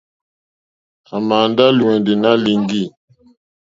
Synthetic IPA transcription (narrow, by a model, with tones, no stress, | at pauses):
a˨ma˨nda˦lu˨wɛ˨ndi˨na˦li˨ŋɡi˦˨